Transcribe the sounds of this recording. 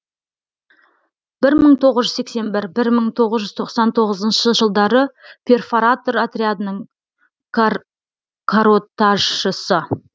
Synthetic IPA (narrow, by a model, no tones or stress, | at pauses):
b̥ɪɾməɴt̪ʰo̞ʁəzʒʏzse̞kse̞nbɪɾbɪɾməɴt̪ʰo̞ʁəzʒʏzt̪ʰo̞qsɑnt̪ʰo̞ʁəzənʃəʒəlˠd̪ɑɾəpʰe̞rfoɾat̪o̞ɾat̪ɾʲead̪ənəɴ | kʰaɾot̪aʒəsə